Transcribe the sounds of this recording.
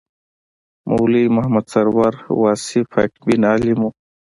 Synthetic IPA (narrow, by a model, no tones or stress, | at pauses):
mʔuwlimɐhmɐd̪sɐɾwaɾwaːsifajʈbinaːlimu